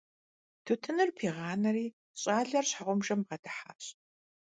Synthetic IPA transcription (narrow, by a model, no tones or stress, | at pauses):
tʰɨtʰɨnɨrpʰiːʁɑːnɐriː | ɕʼaːɮɐrɕħaʁʷʊmʒɐmʁɐdɨħa̰ːɕʼ